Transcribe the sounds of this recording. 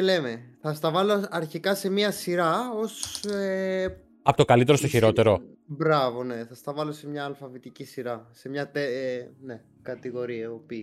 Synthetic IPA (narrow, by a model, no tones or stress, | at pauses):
ele̞me̞θɐst̪ɐvɐlo̞ɐɾçikɐse̞miɐsiɾɐo̞se | ɐpot̪okɐlit̪e̞ɾo̞st̪oçiɾo̞t̪e̞ɾo̞bɾɐvo̞ne̞θɐst̪ɐvɐlo̞se̞mɲɐːlfɐvit̪icisiɾɐse̞mɲɐt̪ene̞ | kɐt̪iɣo̞ɾiɐopi